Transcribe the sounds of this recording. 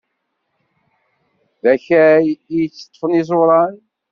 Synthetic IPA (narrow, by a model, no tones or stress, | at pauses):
ðæçæijt͡sːə̥t̪ˤːfənizˤʊɾˤɑn